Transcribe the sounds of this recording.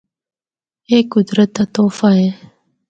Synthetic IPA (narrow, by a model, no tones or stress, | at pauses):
eːkʊd̪ɾət̪at̪oːfaɦẽ